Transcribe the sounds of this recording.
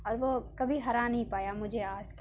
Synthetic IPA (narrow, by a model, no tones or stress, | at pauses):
ɔːɾʋokɐbʱiɦɐɾãnɐɦĩpaːjamʊd͡ʒʱeaːst̪ʰ